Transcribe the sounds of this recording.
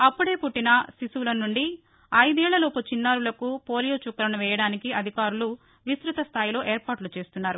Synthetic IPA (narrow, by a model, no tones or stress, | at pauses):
ɐpːuɽe̞ːpuʈːinɐsisulɐnːuɳɖi | ɐjd̪ɛːɭːɐloːput͡ʃinːaːɾulɐkupo̞ːlijoːt͡ʃukːɐɾɐnuʋɛːjɐɽaːnikiɐd̪ʱikaːɾulu | ʋisɾut̪ɐst̪ʰaːjilo̞ːʔeːɾpaːʈlut͡ʃe̞ːst̪unːaːɾu